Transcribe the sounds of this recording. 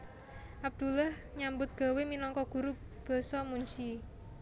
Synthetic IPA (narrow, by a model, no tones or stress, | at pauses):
ʔab̚d̪̥ulah | ɲambʊt̪̚ɡ̥a̤weminɔŋkɔɡ̥ṳɾu | b̥ɔ̤sɔmuɲt͡ʃi